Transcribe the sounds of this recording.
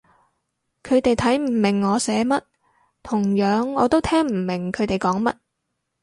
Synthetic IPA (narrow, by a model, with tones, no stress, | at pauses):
kʰɵ˨˧ɥt̪e˨jt̪ʰɐ˨˥jm̩˨˩mɪ˨˩ŋːɔː˨˧sɛː˨˧mɐ˥t̚ | t̪ʰʊ˨˩ŋjœː˨˥ŋːɔː˨˧t̪o˥wt̪ʰɛː˥ŋm̩˨˩mɪ˨˩ŋkʰɵ˨˧ɥt̪e˨jkɔː˨˥ŋmɐ˥t̚